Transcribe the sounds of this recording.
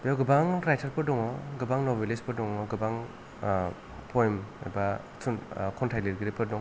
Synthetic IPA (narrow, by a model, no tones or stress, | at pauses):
bawɡɯbaŋɾajtʰaɾpʰɯdɔŋɔɡɯbaŋnɔbelespʰɯdɔŋɔɡɯbaŋ | pʰɔjma̰jba | sʰunkʰɔntʰajliɾɡɯɾipʰɯdɔŋ